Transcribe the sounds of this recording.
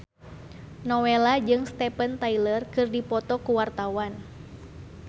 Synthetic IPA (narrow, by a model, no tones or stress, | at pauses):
nɔwɛlad͡ʒɨŋst̪ɛpənt̪ailərkɨrdipɔt̪ɔkuwart̪awan